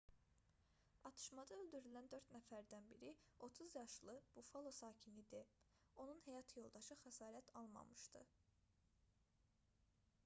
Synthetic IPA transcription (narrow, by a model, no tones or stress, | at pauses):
ɑt̪ʰɯ̥ʃmɑd̪ɑøld̪yɾylænd̪ø̞ɾt̪næfæɾd̪ænbiɾio̞t̪ʰuzjɑʃlˠɯb̥ufolˠo̞sɑːcʰinid̪e | o̞nunhejɑt̪ʰjo̞lˠd̪ɑʃɯxæsɑːɾæt̪ʰɑlˠmɑ̰mɯʃt̪ɯ̰